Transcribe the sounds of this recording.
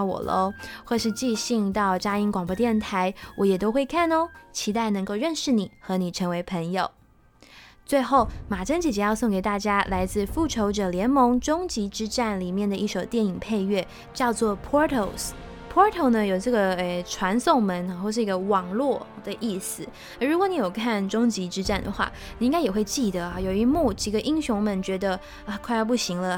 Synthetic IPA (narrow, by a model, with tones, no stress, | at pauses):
wɔ̰˨˩lʔo̰˧˦xwe˥˧ɪʂɻ̩˥˧t͡ɕi˥˧ɕi˥˧ŋt̪ɑ˥˩ʊt͡ɕja˥i˥nkwɑ˨˩ŋpwɔ˧˥t̪jɛ˥˩nt̪ʰa˧˥ɪwɔ˧˥jɛ˨˩t̪o˥ʊxwe˥˧ɪkʰa˥˩no˧t͡ɕʰi˧˥t̪a˥˩ɪnɤ˧˥ŋko˥˧ʊɻə˥˧nʂɻ̩˥˩ni˨˩˦xɤ˧˥ni˨˩ʈ͡ʂʰɤ˧˥ŋwe˧˥ɪpʰə˧˥ŋjo˨˩ʊ | t͡swe˥˧ɪxo˥˩ʊma˨˩ʈ͡ʂʰə˥ŋt͡ɕi˨˩t͡ɕjɛ˧˥jɑ˥˧ʊsʊ˥˩ŋke˨˩ɪt̪a˥˩t͡ɕja˥la˧˥ɪt͡sɹ̩˥˧fu˥˩ʈ͡ʂʰo˧˥ʊʈ͡ʂɤ˨˩ljɛ˧˥nmɤ˧˥ŋʈ͡ʂʊ˥ŋt͡ɕi˧˥ʈ͡ʂɻ̩˥ʈ͡ʂa˥˩nli˨˩mjɛ˥˩nd̪ə˩ʔi˥˩ʂo˨˩ʊt̪jɛ˥˩ni˨˩ŋpʰe˥˧ɪɥɛ˥˩ | t͡ɕjɑ˥˧ʊt͡swɔ˥˩pʰɔ˥t̪ʰo˧ʊ | pʰɔ˥t̪ʰo˧˥ʊnə˨jo˨˩ʊʈ͡ʂɤ˥˩ɡə˩e˧˩ʈ͡ʂʰwa˧˥nsʊ˥˩ŋmə˨˦n˨˩xʂ̬̩˥˩i˧˥ɡə˧wɑ˨˩ŋlwɔ˥˩d̪ə˨˩ʔi˥˩sɹ̩˨˩˧ | ɻu˧˥kwɔ˧˦ni˧˥jo˨˩ʊkʰa˥˩nʈ͡ʂʊ˥ŋt͡ɕi˧˥ʈ͡ʂɻ̩˥ʈ͡ʂa˥˩nd̪ə̰˩xwa̰˥˩ | ni˨˩ĩ˥ŋka˥ɪjɛ˨˩xwe˥˧ɪt͡ɕi˥˩d̪ə˩˦ɐ˩jo˨˩ʊy˧˥mu˥˩t͡ɕi˧˥ɡə˧ʔi˥ŋɕʊ˧˥ŋmə˨˦nt͡ɕɥɛ˧˥d̪ə˧ | a˨˧kʰwa˥˧ɪɑ˥˧p̬u˥˩ɕi˧˥ŋlə˧